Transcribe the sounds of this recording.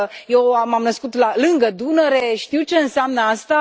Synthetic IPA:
jewamamnəskut̪lalɨŋɡəd̪unəɾeʃt̪iwt͡ʃeɨnseamnəast̪a

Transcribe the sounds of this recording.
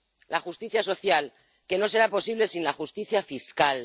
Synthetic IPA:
laxust̪iθjaso̞θjal | ke̞no̞s̬e̞ɾapo̞siβ̞le̞sinlaxust̪iθjafiskal

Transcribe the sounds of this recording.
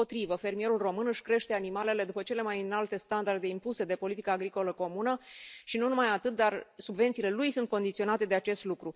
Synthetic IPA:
ot̪ɾivəfe̞rmije̞ɾulro̞mɨnɨʃʲkɾe̞ʃt̪e̞animale̞le̞d̪upət͡ʃe̞le̞majɨnalt̪e̞st̪and̪ard̪e̞impuse̞d̪e̞po̞lit̪ikaːɡɾiko̞ləko̞munəʃinunumajat̪ɨt̪̚d̪arsubve̞nt̪sile̞lujsunt̪̚ko̞nd̪it̪sio̞nat̪e̞d̪e̞at͡ʃe̞st̪lukɾu

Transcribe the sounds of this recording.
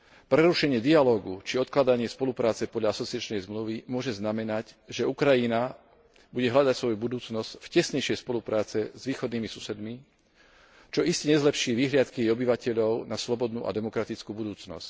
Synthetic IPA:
pɾɛɾuʃɛɲɪɛd̪ialɔːɡut͡ʃiɔt̪klad̪aɲɪɛspɔlupɾaːt͡sɛpɔd̪ʎaasɔt͡siɪat͡ʃnɛjzmluʋimʊɔʒɛznamɛnacʒɛukɾajina | buɟɛɦlʎad̪acsʋɔjubud̪uːt͡snɔscfcɛsɲɛjʃɪɛjspɔlupɾaːt͡sɛzʋiːxɔd̪niːmisusɛd̪mi | t͡ʃɔʔiscɛɲɛzlɛpʃiːʋiɦlɪat̪kijɛjɔbiʋacɛʎɔʊnaslɔbɔd̪nṵːʔa̰d̪ɛmɔkɾat̪it͡skuːbud̪uːt͡snɔ̰sc

